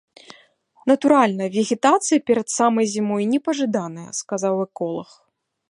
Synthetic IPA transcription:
nɐt̪uɾalʲnɐvʲɛɣʲɪt̪at̪sɨjɐpʲɛɾɐt̪samɐjzʲimɔjnʲɛpɐʐɨd̪anɨjɐ̰skazawɛkɔlˠɐx

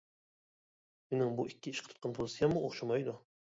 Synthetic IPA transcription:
menɪŋbʊɪkʲːɪɪʃqʰt̪ʰʊt̪̚qʰɑnpʰozɪsɪjamːʊoχʃamajd̪ʊ

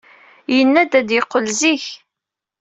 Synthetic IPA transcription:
jənːæd̪æd̪jɪqːəlziç

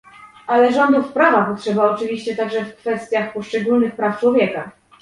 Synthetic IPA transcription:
ʔalɛʐɔnd̪ufpɾavapɔtʂɛbaɔt͡ʂɘvʲiɕt͡ɕɛt̪aɡʐɛfkfɛst̪ʲjaxpɔʂt͡ʂɛɡulnɘxpɾaft͡ʂwɔvʲjɛka

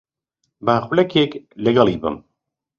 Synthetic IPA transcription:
bæːxlɛkeklɛɡɑlˠiːbɨ̰m

